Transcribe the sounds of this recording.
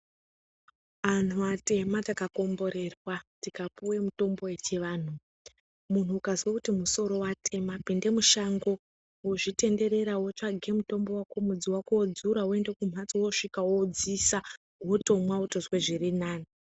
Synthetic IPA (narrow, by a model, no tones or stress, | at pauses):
ʋan̤uate̞matakako̞mbo̞ɾe̞rwatikapuwe̞muto̞mbo̞e̞t͡ʃeʋaːn̤u | mun̤uːkaziwakutimuso̞ɾo̞watʰe̞mapinde̞muʃaŋɡo̞ | woʐite̞nde̞ɾe̞ɾawot͡ʃaɡʱe̞muto̞mbo̞wakomud͡ziwakuod͡zuɾaue̞nde̞kum̤at͡sowo̞ʂikawod͡zisa | woto̞mwauto̞ʐweʐirinaːna